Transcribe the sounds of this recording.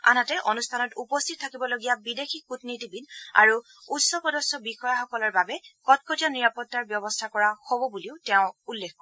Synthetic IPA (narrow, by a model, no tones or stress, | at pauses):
a̰natɛʔonustʰanɔtupɔstʰit̚tʰakibɔloɡijabidexikutnitibida̰ɹu | utsɔpɔdɔsɔbixɔjaxɔkɔlɔɹbabɛkɔtkɔtijaniɹapɔtːaɹbjɔbɔstʰakɔɹaxobɔbuliʊtɛʊ̃ulːexkɔɹɛ